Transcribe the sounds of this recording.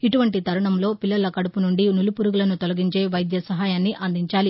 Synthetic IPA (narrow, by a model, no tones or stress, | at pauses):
iʈuʋɐɳʈit̪ɐɾɐɳɐmlo̞ːpilːɐlɐkɐɽupunuɳɖinulupuɾuɡulɐnut̪olɐɡiɲt͡ʃe̞ːʋɐjd̪jɐsɐɦaːjaːnːiʔɐnd̪ʱiɲt͡ʃaːli